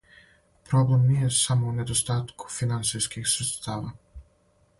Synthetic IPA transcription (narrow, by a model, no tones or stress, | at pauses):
pɾoblemnijesamouned̪ost̪aːt̪ku̥finant̪sijskixsɾet̪st̪aːʋa